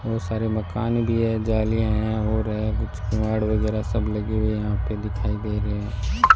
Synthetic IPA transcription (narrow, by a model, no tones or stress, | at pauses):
ʋoːsaːɾemɐkaːnbʱiɦɛd͡ʒaːliãɦɛ̃ɦoːɾɦɡʊt͡ʃkẽʋaːɽʋɐɡɛːɾasɐblɐɡeɦejɐɦãːped̪ɪkʰaːid̪eːɾeɦɛ̃ː